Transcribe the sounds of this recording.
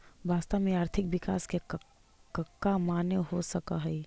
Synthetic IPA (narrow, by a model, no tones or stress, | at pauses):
ʋaːst̪amẽaːɾt̪ʰɪkʋɪkaːske | kəkːamaːneɦosəka̰ɦɛi